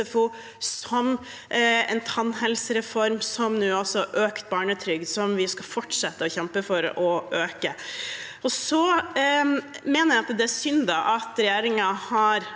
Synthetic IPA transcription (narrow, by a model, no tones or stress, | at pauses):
əfu | sɔm | ɛ̰ɪnt̪ʰɑnɦɛlsəɾɛfɔɾmsɔmnʉːɔsɔʔøːkt̪̚bɑːɳət̪ʰɾʏɡsɔmʋɪskɑfɔʈʂɛt̪ːəɔçɛmpəfɔɾɔʔøːkə | ɔsɔ | meːnəɾjæɪɑt̪d̪ɛæɾsʏnd̪ɑʔɑt̪ɾɛjeːɾɪŋɑhɑɾ